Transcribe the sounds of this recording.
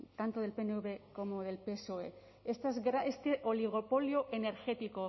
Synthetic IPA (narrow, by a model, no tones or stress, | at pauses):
t̪ant̪oðe̞lpeneuβeko̞moðe̞lpeso̞e | est̪azɣɾaest̪eʔoliɣ̞o̞po̞ljoʔe̞ne̞ɾxe̞t̪iko